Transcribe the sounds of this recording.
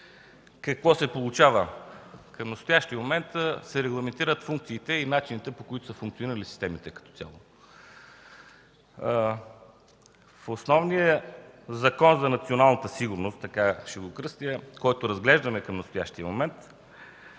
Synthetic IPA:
kɐkvɔsɛpolˠut͡ʃavəkəmnɐst̪ojaʃt̪ijəmomɛnt̪sɛɾɛɡlˠɐmɛnt̪iɾət̪fuŋkt̪siːt̪ɛinat͡ʃinit̪ɛpokoit̪o̥sɐfuŋkt̪sioniɾəlisi̥st̪ɛmit̪ɛkɐ̥t̪ɔ̥t̪ʲja̰lˠo | fosnɔvnijəzɐkɔnzɐnɐt̪sionalˠnət̪əsiɡʊɾnost̪ːɐkaʃɛvokɾɤst̪iəkɔjt̪oɾɐzɡlɛʒd̪ɐmɛkɐmnɐst̪oja̰ʃt̪iəmomɛnt̪

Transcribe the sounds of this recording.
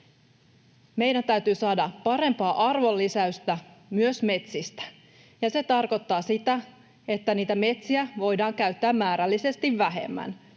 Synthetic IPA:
me̞jdænt̪æyɥt̪yːsɑːdɑpɑɾe̞mpɑːʔɑrʋo̞lːisæyst̪æmyøsme̞t̪sist̪æ̥ | jɑse̞t̪ɑrko̞t̪ːɑːsit̪æ | e̞t̪ːæniːt̪æme̞t̪siæʋo̞jdɑːŋkæyɥt̪ːæːmːæːɾælːise̞st̪iʋːæɦe̞̰mːæ̰n

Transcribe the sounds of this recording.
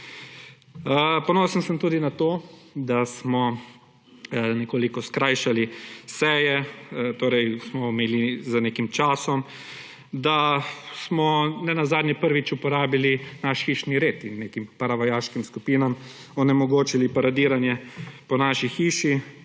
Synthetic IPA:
əpɔnoːsənsəmt̪uːd̪inat̪od̪asmɔ | nɛkoːlikɔskɾaːjʃalisɛjɛt̪oːɾɛjsmɔmeːlizanekimt͡ʃaːsɔm | d̪asmɔnɛnazaːd̪njɛpəɾʋit͡ʃupɔɾaːbilinaʃxiːʃniɾeːt̪inːeːkimpaɾaʋɐjaːʃkimskupiːnam | ɔnɛmɔɡoːt͡ʃilipaɾad̪iːɾanjɛpɔnaːʃixiːʃi

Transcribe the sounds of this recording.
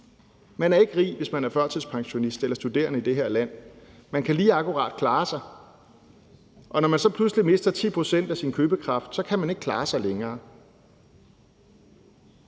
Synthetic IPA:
mænæɐe̝ɡ̥ʁḭːʋe̝smænæɐfɶɐ̰t͡sʰiðˠspʰɑ̈ŋɕo̝nisd̥elɐsd̥ud̥e̝̰ːɐnəid̥e̝ɦe̝ɐlæn̰mænkʰæliːɑ̈kʰuʁɑ̰̈ːd̥kʰlɑ̈ːsɑ̈ɪ | ʔɒ̽nɒmænsɒ̽pʰluslime̝sd̥ɐt͡sʰḭːpʰʁo̝sen̰d̥æsinkʰøːb̥əkʰʁɑ̈fd̥sɒ̽kʰæmæne̝ɡ̥̚kʰlɑ̰̈ːsɑ̈ɪleŋɐː

